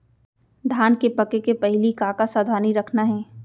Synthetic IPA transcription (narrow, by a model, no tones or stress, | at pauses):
d̪ʱaːnkepɐkekepɐɦɪlikaːkasaːd̪ʱaːniɾɐkʰnaɦɛː